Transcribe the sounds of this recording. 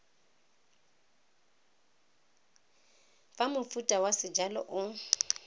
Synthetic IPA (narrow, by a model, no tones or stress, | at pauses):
famʊfutʼawasɪd͡ʒalɔ̰ʔʊ